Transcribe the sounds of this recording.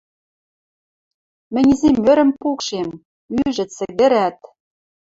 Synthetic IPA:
mɘ̆nʲizemːøɾɘ̆mpukʃem | yʒɘ̆t͡sɘ̆ɣɘ̆ɾæt̪̚

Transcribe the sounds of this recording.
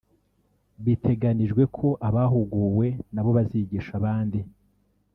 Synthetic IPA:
βitʰe̞ɡaniʒɡwe̞kʰo̞ʔaβaɦuɡuːwe̞naβo̞βaziɟiːʃaβaːndi

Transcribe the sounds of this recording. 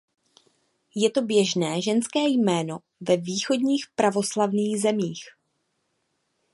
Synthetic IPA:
jɛt̪o̞bjɛʒnɛːʒɛnskɛːjmɛːno̞ | vɛviːxo̞dɲiːxpɾavo̞slavniːɣzɛmiːx

